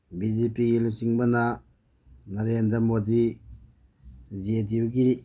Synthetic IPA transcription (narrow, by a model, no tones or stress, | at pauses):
bizepiɡilusiŋbɐna | nɐɾendɾɐmodi | zediuɡi